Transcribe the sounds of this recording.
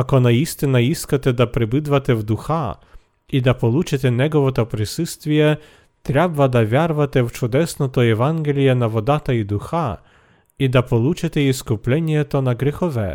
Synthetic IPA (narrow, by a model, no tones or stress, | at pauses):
ɐkɔnɐist̪ɪnɐiskɐt̪ɛd̪ɐpɾɪbɪd̪ʋɐt̪ɛwd̪ʊxɑ | id̪ɐpɔlˠut͡ʃɪt̪ɛnɛɡɔʋɔt̪ɔpɾɪsust̪ʋʲijɛ | t̪ɾʲabʋɐd̪ɐʋʲjarʋɐt̪ɛwt͡ʃʊd̪ɛsnɔt̪ɔjɛʋɑnɡʲelʲijɐnɐʋɔd̪ɑt̪ɐid̪ʊxaɑ | id̪ɐpɔlˠut͡ʃɪt̪ɛiskʊplʲɛnʲjɛt̪ɔnɐɡɾʲɪxɔʋɛ̰